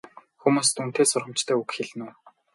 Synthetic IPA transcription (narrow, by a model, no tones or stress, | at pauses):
xumuːst̪un̥t̪eːsʊrʁə̆mt͡ɕt̪ʰœːukxeɮ̆nuː